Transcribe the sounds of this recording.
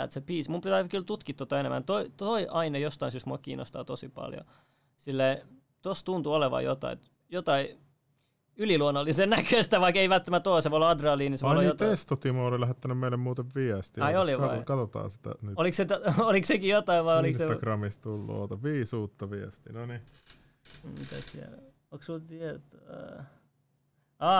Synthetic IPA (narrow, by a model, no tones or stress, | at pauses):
ḛt̪sepiːsmumpit̪ækylt̪ut̪kit̪ːot̪ːɑenḛmʔæ̰nt̪oit̪oiʔɑinejost̪ɑĩnsyst̪muɑ̰kḭːnːo̰st̪ɑ̰ːt̪osipɑ̰ljo̰ | silːei | t̪ost̪unt̪uoleʋɑ̰jot̪ɑ̰ḭ | jot̪ɑi | yliluonːɑlːisenækʰøst̪æʋɑikeiʋælt̪ːæmæt̪oˑseʋoolɑd̪rɑːliːniseʋoojot̪est̪ot̪imɑolilæhet̪ːænymmeilemmuːt̪eʋʋiɛst̪iɑioliʋɑɑ̰kɑt̪ot̪ɑ̰ːsi̥t̪æ̰nyolikset̪oliksekijot̪ɑiʋʋɑolikseɑkrɑmist̪ulːṵɑ̰t̪ɑʋiːsuːt̪ːɑʋiɛst̪inoni | mit̪æ̰sḭæ̰l | oksult̪iɛt̪ː | ɑː